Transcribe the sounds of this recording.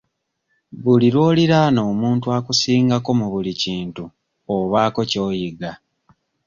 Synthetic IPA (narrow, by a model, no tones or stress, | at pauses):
βuliɾwo̞ːliɾano̞ːmuːntuakusiːŋɡako̞muβuliciːntu | oβaːko̞co̞ːjiɡa